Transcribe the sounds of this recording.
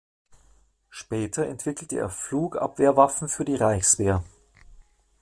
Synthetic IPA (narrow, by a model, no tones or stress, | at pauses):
ʃpɛːtʰɐɛ̰ntv̥ɪkl̩təʔḛːɐfluːkʔa̰pv̥eːɐvafn̩fyːɐdiːʁaɪçsv̥eːɐ